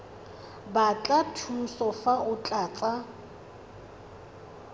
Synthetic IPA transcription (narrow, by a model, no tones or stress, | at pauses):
bat͡ɬʼatʰusɔfaʊt͡ɬʼaːt͡sʼa